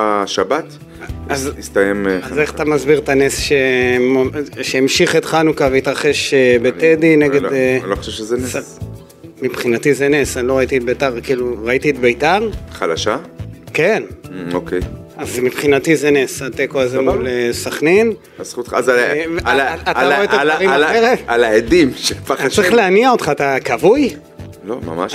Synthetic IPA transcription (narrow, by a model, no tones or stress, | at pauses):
aʃabat̪ | azist̪ajemazeχat̪amazbiʁt̪anesʃemoʃeimʃiχet̪χanukaveit̪ʁaχe̞ʃbet̪ed̪ineɡeloχo̥ʃevʃezenes | mipχinatizenesalo̞ʁait̪it̪̚bejt̪aʁkiːluʁait̪iːt̪bejtaʁχalaʃakenokʰej | azmipχinat̪izenesat̪ekoazemulesaχnin | asχut̪χaz | aataoeaaʁimaeʁealaed̪imʃepaaʁiχleaniao̞t̪χaːt̪akavuj | lo̰ma̰ma̰ʃ